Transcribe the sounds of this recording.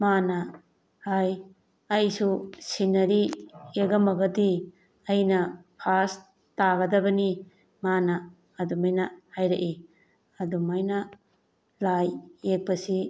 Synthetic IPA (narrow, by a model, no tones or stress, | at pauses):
manɐ | haj | ɐjsusinɐɾieɡɐmɐɡɐdi | ɐjnɐpʰas | taɡɐdɐbɐni | manɐː | dumajnɐhajɾɐ̰ʔi | ɐdumajnɐ | lajek̚pɐsi